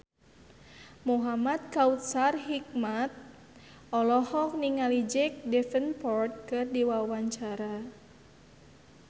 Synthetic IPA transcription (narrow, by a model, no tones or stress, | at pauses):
muɦamat̪̚kaut̪̚sarɦik̚mat̪̚ | ɔlɔhɔk̚niŋalid͡ʒɛk̚dɛfənpɔrt̪̚kɨrdiwawaɲt͡ʃaɾa